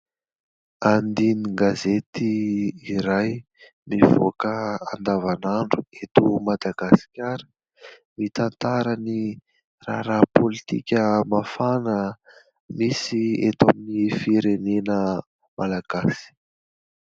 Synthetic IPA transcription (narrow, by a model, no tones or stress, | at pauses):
and̪iniɡazet̪iiɾaj | mivo̰kəand̪avanaɳɖ͡ʐuet̪umad̪aɡ̥asi̥kʲaɾə | mit̪ant̪aɾəni | raɾapʰolit̪ikʲəmafanə | misiḛt̪aminifiɾenenə | malaɡ̥asi̥